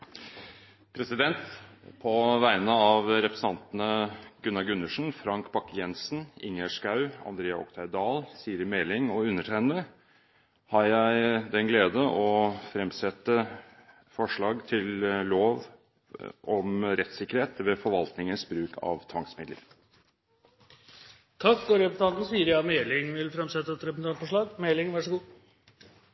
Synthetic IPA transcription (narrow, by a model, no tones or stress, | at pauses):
pʰɾɛsɪd̪ɛnt̪pʰɔʋæɪnəɑʋɾɛpɾə̥sn̩ɑnt̪ənəɡ̥ʉnːɑɡʉnːəʂn̩fɾɑŋkbɑkːəjɛnsənɪ̰ŋːəʂkɑʉɑ̰nd̪ɾeːɑɔ̰kt̪ʰæɪd̪ɑːlsiːəɾmɛːlɪŋɔʉnːəʈʰæɪnə | hɑɾjæɪd̪ɛnɡleːd̪əʔɔfɾɛmsɛt̪ːə | fɔʂɭɑːɡt̪ʰɪlloːʋ | ʔɔmɾɛt̪sɪkːəɾheːt̪ʋɛfɔɾʋɑlt̪nɪŋənsbɾʉːkʰɑ̰ʋt̪ʰʋɑŋsmɪd̪lə̰ɾ | t̪ʰɑkːɔɾɛpʊt̪ɑnn̩siːəɾjɑmɛːlɪŋʋɪlfɾɛmsɛt̪ːəɛt̪ɾɛpəsnʰɑɳfɔʂɭɑːɡmɛlɪŋʋæʂəɡuː